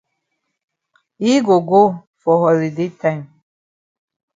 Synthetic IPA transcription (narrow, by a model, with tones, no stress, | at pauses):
i˦ɡo˨ɡo˦ | fɔ˨ɦɔ˨li˨de˦tʰã˦jm